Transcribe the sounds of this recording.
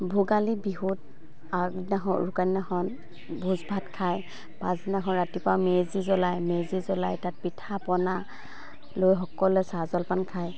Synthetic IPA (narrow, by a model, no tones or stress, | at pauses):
bʱuɡalibiɦut | aɡnaɦɔɹukaninaxɔn | bʱuzbʱatkʰaj | pazinaɦɔ̃nɹatipawmezizɔlajmezizɔlajtat̚pitʰapɔna | lojɦɔkɔlɛsazɔlpankʰaj